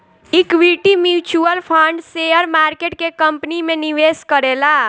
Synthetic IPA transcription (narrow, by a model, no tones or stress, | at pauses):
ikʋiʈimjut͡ʃuəlpʰaɳɖseəɾmaɾkeʈ̚kekəmpnimeniʋeskəɾela